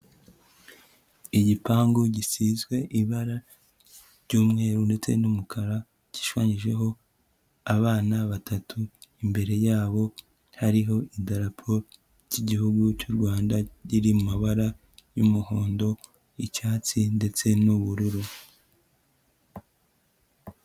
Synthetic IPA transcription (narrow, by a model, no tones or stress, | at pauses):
iɟipaːŋɡuɟisizɡwe̞ʔiβaɾa | ɾɟuːmŋe̞ːɾunde̞t͡se̞̰numukʰaɾa | ɟ̥i̥ʃwaːɲiʒe̞ɦo̞ | aβaːnaβatatʰuimbe̞ɾe̞jaːβo̞ | haɾiɦo̞idaɾapʰo̞ | ɟiɟihuɡucuɾɡwaːndaɟiɾimumaβaɾa | jumuhoːndo̞ | icaːt͡sinde̞t͡se̞nuβuɾuɾu